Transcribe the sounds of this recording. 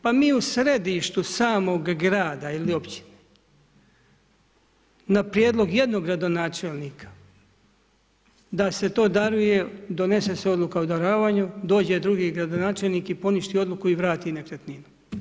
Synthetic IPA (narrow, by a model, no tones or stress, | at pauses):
pamiːusɾe̞d̪iʃt̪usaːmo̞ɡːɾaːd̪ailio̞pt͡ɕi̥ne | napɾije̞ːd̪lˠo̞ɡje̞d̪no̞ɡɾad̪o̞naːt͡ʃelˠniːkʰḁ | d̪ase̞t̪o̞ːd̪aɾuje̞d̪o̞ne̞se̞seo̞d̪lˠukaud̪aɾaːʋaːɲud̪o̞ːd͡ʑe̞d̪ɾuɡiːɡɾad̪onaːt͡ʃe̞lˠniːkipo̞niʃt̪io̞d̪lukuiʋɾaːt̪iːnekɾet̪ninu